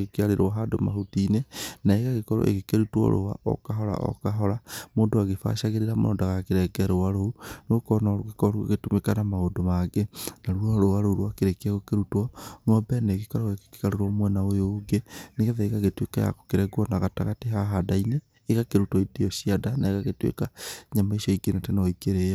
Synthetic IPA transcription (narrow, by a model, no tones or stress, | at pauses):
ɣokeaɾeɾwɔɦado̰ma̰ɦotinenaeɣaɣekɔɾɔ̰ʔḛɣekeɾutwɔ̰ɾo̰wa̰ʔɔ̰kaɦɔɾa̰ʔɔ̰kaɦɔɾamoːndoaɣefa̰ʃaɣeɾeɾamo̰ɔ̰daɣakeɾɛɡɛɾowaɾohunokɔnaɾoɣekɔɾoḛɣetomekanamaodomaɡenaɾuɔɾoaɾoɾwakeɾekaɣokeɾutwɔnɔbɛneɣekɔɾɔɣeke̥ke̥kaɾeɾɔmwɛnaojoɡeneɣɛðɛeɣaɣetwekaja̰ko̥keɾɛɡwɔnaɣataɣateɦaɦadaineː | ɣakeɾutɔideɔsiadanaeɣaɣetwḛkaɲamaiʃɔiɡenatɛnɔikeɾea